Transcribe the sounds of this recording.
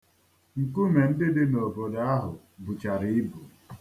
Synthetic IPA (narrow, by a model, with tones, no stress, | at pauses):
ŋ̩˨ku˦me˨n̩˦dɪ˦dɪ˦no˨bo˨da˦a˦ɦʊ̰˨ | bu˨t͡ʃa˨ɾi˦ɪ˦bu˨